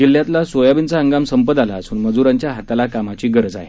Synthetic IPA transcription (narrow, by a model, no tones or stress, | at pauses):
d͡ʑil̤jat̪lasʋojabint͡saəŋɡamsəmpəd̪alaːsuːnməd͡zuɾaɲt͡ɕjaɦat̪alakamat͡ɕiːɡəɾd͡za̰ɦḛ